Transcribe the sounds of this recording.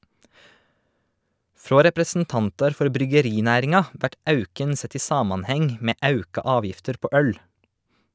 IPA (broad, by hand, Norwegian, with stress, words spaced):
ˈfɾoː ɾɛpɾəsn̩ˈtɑntɑɾ ˈfɔɾ bɾʏɡəˈɾɪˌnæːɾɪŋɑ ˈʋæʈ ˈɑʉkən ˈsɛt ˈiː ˈsɑːmɑnˌhɛŋ ˈmeː ˈɑʉkɑ ˈɑːʋjɪftəɾ ˈpoː ˈœl